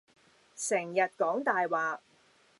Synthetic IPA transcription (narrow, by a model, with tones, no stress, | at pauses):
sɛ˨˩ŋjɐ˨t̚kɔː˨˥ŋt̪aː˨jwaː˨